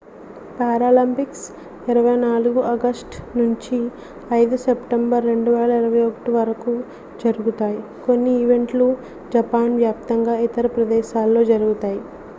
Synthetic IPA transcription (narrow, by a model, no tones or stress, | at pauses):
paːɾaːlɐmpiks | iɾɐʋɐjnaːluɡuʔɐɡɐsʈnuɲt͡ʃi | ɐjd̪usepʈembɐɾːe̞ɳɖuʋɛːlɐiɾɐʋɐjokɐ̥ʈiʋɐɾɐku | d͡ʒɐɾuɡut̪aːji | ko̞nːiːʋe̞ɳʈlu | d͡ʒɐpaːnʋjaːpt̪ɐŋɡaːit̪ɐɾɐpɾɐd̪ɛːʃaːlːo̞ːd͡ʒɐɾuɡut̪aːji